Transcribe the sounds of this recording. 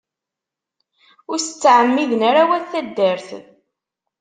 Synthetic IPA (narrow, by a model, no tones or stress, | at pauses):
ʊɾsə̥t͡sːʕəmːiðənæɾawæθæd̪ːəɾθ